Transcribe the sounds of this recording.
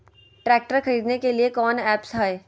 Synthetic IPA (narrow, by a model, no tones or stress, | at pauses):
ʈɾɛːk̚ʈəɾxɐɾiːd̪nekeliekɔːnɛːpsɦaeː